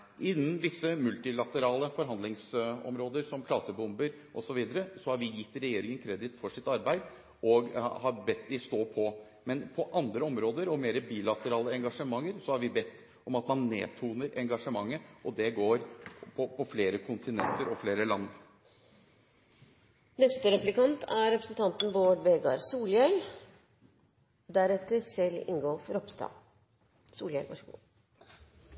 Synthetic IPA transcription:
ʔɪnːənʋɪsːəmʉlt̪ɪlɑt̪əɾɑːləfɔɾɦɑnd̪lɪŋsɔ̰mɾoːd̪əɾsɔmkʰlɑːsəbʊmbəɾ | ʔɔsɔʋiːd̪əɾəsɔhɑɾʋɪjɪt̪ːɾɛjeːɾɪŋənkʰɾɛd̪ɪt̪fɔʂɪt̪ɑɾbæɪd̪ | ʔɔɡhɑɾbɛt̪ːd̪ɪst̪oːpʰɔ | mɛnpʰɔʔɑnd̪ɾəɔmɾoːd̪əɾɔmeːɾəbiːlɑt̪əɾɑːləɛŋɡɑʂəmɑŋːəɾsɔhɑɾʋɪbɛt̪ː | ɔmɑt̪mɑnːḛːt̪ʰuːnəɾʔɛŋɡɑʂəmɑŋːəʔɔd̪ɛɡoːɾpʰɔpʰɔfleːɾəkʰʊnt̪ʰɪnɛ̰nt̪əɾɔfleːɾəlɑnː | nɛst̪əɾɛplɪkɑnt̪ʰæɾɛpɾəsnt̪ʰɑnt̪n̩boːɖʋeːɡɑɾsuːljœʏl | d̪æɾɛt̪ːəsɛlɪ̰ŋɡɔlfɾɔpst̪ɑ̰ː | sṵːljœʋɑ̰ʂ

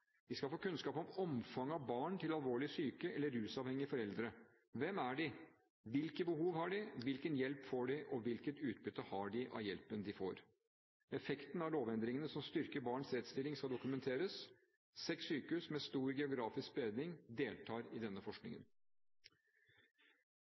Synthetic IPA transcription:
d̪ɪskɑlfoːkʰʉnskɑːpɔmɔmfɑŋːɑʋbɑːɳt̪ʰɪlɑlʋoːɭɪsyːkəʔɛlːəɾʉːsɑːʋhɛŋːɪəfɔɾɛld̪ɾə | ʋɛmæɖɪ | ʋɪlkəbəhuːʋhɑɖɪʋɪlkənjɛlpfoːɖɪʔɔʋɪlkət̪ʉːt̪̚bʏt̪ːəhɑɖɪʔɑ̰ʋjɛlpənd̪ɪfo̰ːɾ | ɛfɛkt̪n̩æɭoːʋɛnd̪ɾɪŋənəsɔmst̪ʏɾkəbɑːɳsɾɛt̪st̪ɪlːɪŋskɑd̪ʊkʉmɛnt̪ʰeːɾəs | sɛksyːkəʉsmɛst̪uːɾɡɛʊɡɾɑːfɪsk̚b̥əeːd̪nɪŋd̪eːlt̪ʰɑːɾɪd̪ɛnːəfɔʂknɪ̰ŋə̰n

